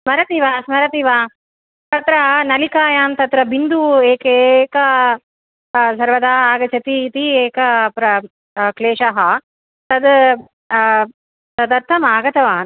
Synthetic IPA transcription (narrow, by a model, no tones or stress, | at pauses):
smɐɾɐt̪iːʋaːsmɐɾɐt̪iːʋaː | t̪ɐt̪ɾɐnɐlikaːjaːmt̪ɐt̪ɾɐbind̪ueːkeːkɐ | sɐɾʋɐd̪aːaːɡɐt͡ʃʰɐt̪iːt̪ieːkɐpɾɐ | kleːʂɐɦɐ | t̪ɐd̪ | t̪ɐd̪ɐɾt̪ʰɐmaːɡɐt̪ɐʋaːn